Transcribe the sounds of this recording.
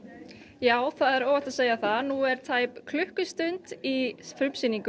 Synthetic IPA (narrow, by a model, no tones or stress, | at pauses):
jaːwθaðɛɾɔːɣvaht̪aðseːjaθaðnuɛɾ̥t̪ʰaːjpkʰlʏhkʏst̪ʏnt̪ifɾʏmsiniŋkʏ